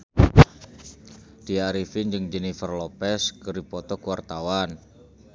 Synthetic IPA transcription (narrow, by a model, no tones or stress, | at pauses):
d̥iaɾifɪnd͡ʒɨŋd͡ʒɛnifərlɔpɛskəɾipɔt̪ɔkuwart̪awan